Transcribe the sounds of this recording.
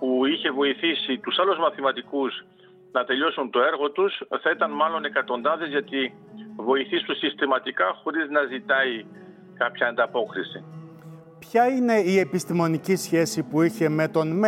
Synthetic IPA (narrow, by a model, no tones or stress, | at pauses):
puiçe̞vo̞iθisit̪usɐluzmɐθimɐt̪ikuz | nɐt̪e̞ʎo̞sunt̪o̞e̞ɾɣo̞t̪usθɐit̪ɐnmɐlo̞ne̞kɐt̪o̞nd̪ɐðe̞zʝɐt̪i | vo̞iθist̪osist̪imɐt̪ikɐxo̞ɾiznɐzit̪ɐi | kɐpçɐːnd̪ɐpo̞kɾisi | pçɐine̞ie̞pist̪imo̞nicisçe̞sipuiçe̞me̞t̪o̞nm